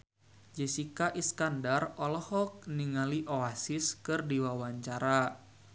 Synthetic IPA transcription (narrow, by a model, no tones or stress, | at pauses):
d͡ʒɛsikaʔiskandarɔlɔhɔk̚niŋaliʔoasiskɨrdiwawaɲt͡ʃaɾa